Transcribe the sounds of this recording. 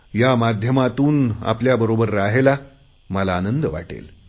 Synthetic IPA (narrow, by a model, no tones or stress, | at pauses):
jamad̪ʱjəmat̪uːna̰pljabəɾobəɾːaɦela | məlaːnənd̪əʋa̰ʈḛl